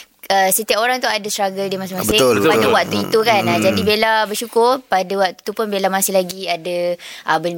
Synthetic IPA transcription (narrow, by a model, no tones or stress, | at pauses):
əsət̪iaʔoɾaŋt̪uadəst̪ɾaɡəldimasɪhmasbəɪpadəwaʔt̪uit̪ukanad͡ʒadibelabərʃukʊrpadəwaʔt̪u̥t̪upʊnbelamasɪhlaɡiadaʔəbə